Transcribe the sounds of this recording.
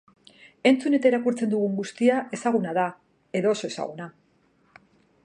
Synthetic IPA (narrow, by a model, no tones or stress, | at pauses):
e̞nt͡sune̞t̪aeɾakuɾt͡se̞nd̪uɣ̞uŋɡust̪iaʔe̞saɣ̞unaða | e̞ðo̞ːso̞e̞sa̰ɣ̞una